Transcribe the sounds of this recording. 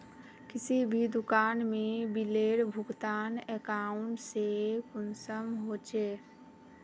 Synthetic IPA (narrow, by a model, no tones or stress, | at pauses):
kɪsibʱid̪ʊkaːnmẽbileːɽbʱʊɡt̪aːnekaːʊɳʈsekʊnsəmɦoːt͡ʃeː